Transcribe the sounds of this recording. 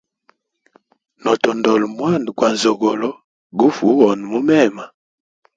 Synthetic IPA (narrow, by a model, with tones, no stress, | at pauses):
nɔ˨tɔ˨ndɔ˨lmwa˦˨ndkwa˨zɔ˨ɡɔ˨lɔ˦ | ɡu˦fu˨˦wɔ˨n˨mu˦mɛ˦˨ma˨